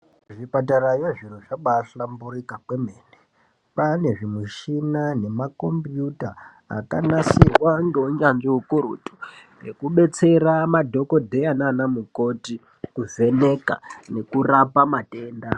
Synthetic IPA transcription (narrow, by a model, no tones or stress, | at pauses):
ʐipat̬aɾajoʐinoʐaɓasambuɾikakwemeːne | pane̞ʐimuʃinane̞mako̞mpjuta | a̰kanasirwaŋɡeuɲanʐiɦukuɾṵtu̥rḛkuɓe̞t͡se̞ramadʱo̞ko̞dʱe̞ananamuko̞ti | kuve̞ne̞ka̰ne̞kurapamate̞ːnda